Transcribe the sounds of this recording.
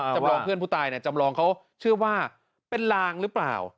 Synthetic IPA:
t͡ɕa˧ɾɔː˧ŋpɯ˥˩ənpʰuː˥˩t̪aː˧jni˥˩t͡ɕa˧mɾɔː˧ŋkʰa˦˥w | t͡ɕʰɯ˥˩ɐwaː˥˩ | pe˧nlaː˧ŋɾɯː˦˥pla̰ː˨˩w

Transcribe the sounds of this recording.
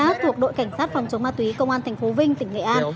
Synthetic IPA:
aː˦˥t̪ʰu˧˩ək̚ɗo̰˧˨jka˧˩ŋ̟saː˦˥t̚fa˨˩wŋ͡mt͡ɕə˨˦wmaː˧t̪wi˨˦kə˧wŋ͡mʔaː˧nt̪ʰjŋ̟fo˨˦vï˧ŋt̪ï˧˩ŋ̟ŋḛ˧˨ʔaː˧n

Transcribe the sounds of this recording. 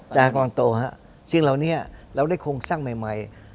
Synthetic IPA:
t͡ɕaː˧ka˧mla˧ŋt̪oː˧ha˦˥ʔ | si˧ŋla˨˩wni˦˥ɾa˧wdaː˥˩jkʰoː˧ŋsaː˥˩ŋma˨˩jma˨˩j

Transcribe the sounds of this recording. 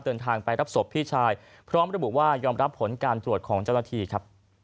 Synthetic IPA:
d̪ɤː˧nt̪ʰaː˧ŋpa˧jɾa˦˥p̚so˨˩pʰːiː˥˩t͡ɕʰaː˧j | pʰɾɔː˦˥mɾa˧bu˨˩waː˥˩jɔː˧mɾa˦˥pʰːo˩˦nkaː˧nt̪ɾu˨˩ət̪̚kʰɔː˩˦ŋt͡ɕa˥˩wna˥t̪ʰiː˧kʰɾa˦˥p̚

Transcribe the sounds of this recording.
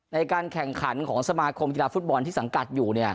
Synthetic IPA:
na˧jkaː˧nkʰɛ˨˩ŋkʰa˩˦nkʰɔː˩˦ŋsa˧maː˧kʰo˧mk̬i˧laː˧fu˦˥t̪̚bɔː˧nt̪iː˥˩sa˩˦ŋka˨˩t̪̚juː˨˩ni˥˩ɐ

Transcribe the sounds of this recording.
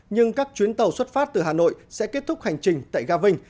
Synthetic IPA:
ɲɨ˧ŋkaː˦˥k̚t͡ɕwi˨˦nt̪ə˨˩wswə˦˥t̚faː˦˥t̚t̪ɨ˨˩ɦaː˨˩no̰˧˨jsɛ̰˧˥ke˦˥t̚t̪ʰʊ˦˥k͡p̚ha˨˩jŋ̟t͡ɕï˨˩ŋ̟t̪a̰ː˧˨jɣaː˧vï˧ŋ̟

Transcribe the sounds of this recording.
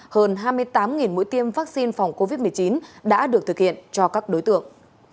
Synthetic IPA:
həː˧˩nɦaː˧jmɨ˧əjt̪aː˨˦mŋi˨˩nmṵ˧˥jt̪i˧əmvaː˦˥k̚si˧nfa˨˩wŋ͡mko˧vi˦˥t̚mɨ˨˩əjt͡ɕi˨˦nɗa̰ː˧˥ɗɨ˨˩ək̚t̪ʰɨ˨˩k̚hḭ˧˨ənt͡ɕɔ˧kaː˦˥k̚ɗo˨˦jt̪ɨ̰˧˨əŋ

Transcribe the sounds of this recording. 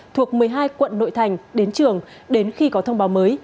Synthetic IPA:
t̪ʰu˨˩ək̚mɨ˨˩əjɦaː˧jkwə̰˧˨nːo̰˧˨jt̪ʰa˨˩jŋ̟ɗe˨˦nt͡ɕɨ˨˩əŋ | ɗe˨˦nxi˧kɔ˨˦t̪ʰə˧wŋ͡mɓaː˨˦wməː˨˦j

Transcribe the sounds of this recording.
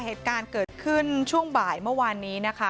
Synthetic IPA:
heː˨˩t̪̚kaː˧nkɤː˨˩t̪̚kʰɯ˥˩nt͡ɕʰu˥˩əŋbaː˨˩jmɯ˥˩waː˧nːiː˦˥na˦˥kʰa˦˥

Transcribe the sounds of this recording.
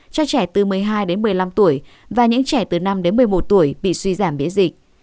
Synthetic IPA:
t͡ɕɔ˧t͡ɕɛ˧˩t̪ɨ˨˩mɨ˨˩əjɦaː˧jɗe˨˦nmɨ˨˩əjla˧mt̪u˧˩əj | vaː˨˩ɲɨ̰˧˥ŋt͡ɕɛ˧˩t̪ɨ˨˩na˧mɗe˨˦nmɨ˨˩əjmo˨˩t̚t̪u˧˩əjɓḭ˧˨swi˧zaː˧˩mɓḭ˧˥ənzï˨˩k̚

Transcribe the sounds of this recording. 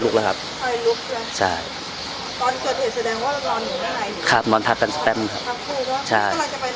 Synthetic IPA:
lu˦˥k̚laː˧˦˥kʰa˦˥p̚kʰɔː˧˥˩jlu˦˥k̚lt͡ɕʰa˥˩j | t̪ɔː˧nkʰɤː˨˩t̪̚ʰɯː˨˩sa˧dɛː˧ŋwaː˥˩˧nɔː˧nmu˨˩˦ma˥˧˥a˧˩jkʰɾa˦˩p̚nɔː˧nt̪ʰa˦˥k̚ka˧nsa˧t̪ɛ˧˥ma˧˩kʰa˦tʰa˦˧p̚kʰuː˥˩nɔ˦˥t͡ɕʰa˥˩˧mla˧ŋt͡ɕa˨˩pa˧j

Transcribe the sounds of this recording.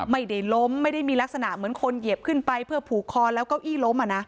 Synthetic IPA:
ma˥˩jda˥˩jlo˦˥mːa˥˩jda˥˩jmiː˧la˦˥k̚sa˧na˨˩ʔmɯ˩˦ənkʰo˧nje˨˩əp̚kʰɯ˥˩npa˧jpʰɯː˥˩ɐpʰuː˨˩kʰɔː˧lɛː˦˥wkɔ˥˩wʔiː˥˩lo˦˥mʔa˨˩na˦˥ʔ

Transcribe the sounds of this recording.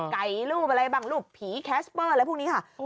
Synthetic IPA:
ka˨˩jluː˥˩p̚a˧ɾa˧jbaː˨˩ŋluː˥˩pʰiː˩˦kʰɛː˦˥spɤː˥˩lpʰuː˥˩niː˦˥kʰa˥˩

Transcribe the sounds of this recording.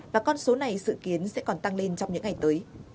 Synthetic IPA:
vaː˨˩kɔ˧nso˨˦na˨˩jsɨ̰˧˨ki˨˦ənsɛ̰˧˥kɔ˨˩nt̪a˧ŋle˧nt͡ɕɔ˧wŋ͡mɲɨ̰˧˥ŋa˨˩jt̪əː˨˦j

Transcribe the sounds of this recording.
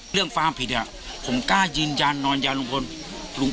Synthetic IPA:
ɯ˥˩əŋfaː˧˥pʰi˨˩t̪̚ʔa˨˩ | pʰo˩˦mkaː˥˩jɯː˧njaː˧nːɔː˧njaː˧nlu˧ŋkʰo˧nlu˨˧˦ŋ

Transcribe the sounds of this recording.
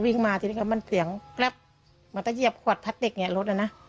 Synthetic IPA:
wi˧˩ŋmaː˧˩t̪ʰi˧nː˧˨ka˧˩ma˧˥˨nsi˨˦əŋkla˧˩p̚ | mɯ˩˦nt̪a˧˦ji˧˩əp̚kʰu˧˩ət̪̚pʰa˧˥t̪̚de˨˩k̚ŋi˧˩˨lo˧˦t̪̚na˧˩na˧˨

